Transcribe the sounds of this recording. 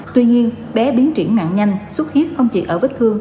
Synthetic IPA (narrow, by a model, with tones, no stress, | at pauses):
t̪wi˧ɲi˧ən | ɓɛ˨˦ɓi˨˦ənt͡ɕi˧˩ənna̰ː˧˨nɲa˧jŋ̟swə˦˥t̚xi˦˥ət̚xə˧wŋ͡mt͡ɕḭ˧˨ʔəː˧˩və˦˥k̚t̪ʰɨ˧əŋ